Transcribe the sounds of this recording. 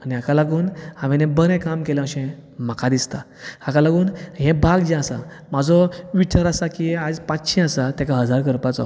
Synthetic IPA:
aniakalaɡuːnaʋɛnebəɾɛ̃kamkelãɕɛ̃m̤akʰad̪ist̪a | akalaɡuːnɦɛ̃bʱaɡd͡ʑɛ̃asa̰ | mad͡zɔʋit͡ɕaɾasakiad͡zpãt͡sɕɛ̃asat̪ɛkaɦəd͡zaɾkəɾpat͡sɔ̰

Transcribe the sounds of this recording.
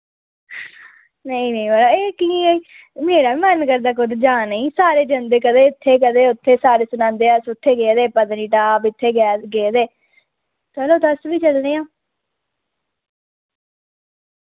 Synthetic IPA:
nəĩːnə̃ĩbəlaːeːkĩːiː | meːɾaːʋiːmənkəɾd̪aːkʊd̪d͡ʒaːnəĩːsaːɾeːd͡ʒənd̪eːkəd̪eːɪt̪ʰːeːkəd̪eːʊt̪ʰːeːsaːɾeːsʊnãːnd̪eːaːsʊt̪ʰːeːɡeːd̪eːpəd̪niːʈaːbɪt̪ʰːeːɡɛːɡeːd̪eː | tɛːloːd̪əsʋiːt͡ʃəlneːãː

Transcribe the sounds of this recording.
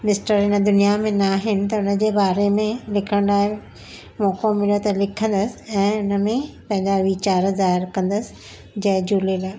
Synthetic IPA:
mɪsʈəɾɦɪnə̆d̪ʊnijamẽnaːɦɪnɪ̆t̪ɐʊnə̆d͡ʑeːbaːɾemẽlɪkʰə̃ɽ̃aːɦe | mɔːkomɪljot̪ɐlɪkʰə̃nd̪əsɪ̥̆ɛ̃ːʊnə̆mẽpɐ̃ɦɪ̃ɲd͡ʑaʋit͡ɕaːɾzaːɦɪɾkɐ̃nd̪əsɪ̥ | d͡ʑɐ̃ɦd͡ʑuːlelaː

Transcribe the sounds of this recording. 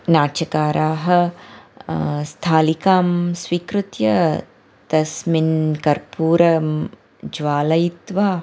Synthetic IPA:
naːt͡ʃɐkaːɾʔaːɦɐ | st̪ʰaːlikaːmsʋiːkɾut̪jɐ | t̪ɐsminkɐɾpuːɾɐm | d͡ʒʋaːlɐjit̪ʋaː

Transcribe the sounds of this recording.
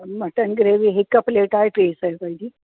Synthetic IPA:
məʈənɡɾeʋiɦekəpleʈajʈɾeːsajkaid̪i

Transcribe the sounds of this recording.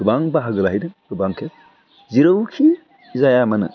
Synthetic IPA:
ɡ̥ɯbaŋbɐɦaɡɯlaɦajdɯɡɯbaŋkʰe | ziɾɐwkʰi | zajamɐnɯ̰

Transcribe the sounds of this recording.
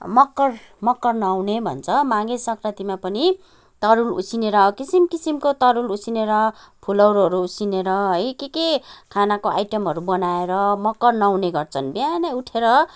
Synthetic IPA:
mʌkːʌr | mʌkːʌrnʌwnebʱʌ̰nt͡sʰʌmãɡesʌkrʌt̪imapʌni | t̪ʌɾulṵsineɾʌkisimkisimkot̪ʌɾulusineɾʌ | pʰulʌwɾɦʌɾuːsineɾʌɦʌjkekekʰanakoa̰jʈʌmɦʌɾubʌnaeɾʌmʌkːʌrnʌwneɡʌrt͡sʰʌnbjanʌuʈʰeɾʌ

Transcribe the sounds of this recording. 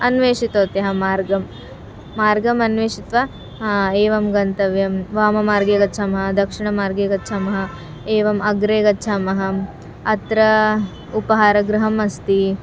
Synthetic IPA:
ɐnʋeːʂit̪oːt̪jɐɦɐmaːɾɡɐmː | aːɾɡɐmɐnʋeːʂit̪ʋɐ | eːʋɐmɡɐnt̪ɐʋjɐmʋaːmɐmaːɾɡeːɡɐt͡ʃʰamɐɦɐd̪ɐkʂiɳɐmaːɾɡeːɡɐtːt͡ʃʰaːmɐɦɐ̆ | eːʋɐmɐɡɾeːɡɐːt͡ʃʰaːmɐɦɐ | ɐt̪ɾɐ | upɐɦaːɾɐɡɾɐɦɐmɐst̪i

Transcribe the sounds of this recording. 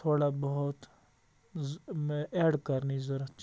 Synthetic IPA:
t̪ʰoːɽabɐɦʊt̪ | eːɖkɐɾnizɐɾat͡ʃ

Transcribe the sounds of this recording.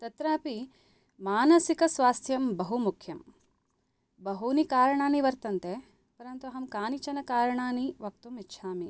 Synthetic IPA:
t̪ɐt̪ɾaːpi | maːnɐsikɐsʋaːst̪ʰjɐmbɐɦumukʰjɐm | bɐɦunikaːɾɐɳaːniʋɐɾt̪ɐnt̪e | pɐɾɐnt̪uɐɦɐmkaːnit͡ʃɐnɐkaːɾɐɳaːniʋɐk̚t̪umitːʃʰaːmi

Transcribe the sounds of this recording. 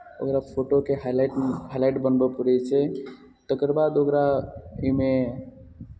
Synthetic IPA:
o̰kɾapʰoʈokeɦalajʈɦajlaɪʈbənbepəɾɛt͡ʃʰɛ | t̪əkəɾbad̪okɾaime

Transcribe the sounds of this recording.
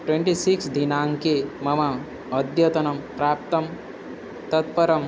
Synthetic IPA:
ʈwẽɳʈisiksd̪ʱinaːŋkemɐmaː | d̪jɐt̪ɐnɐmpɾaːp̚t̪ɐm | t̪ɐt̪̚pɐɾɐm

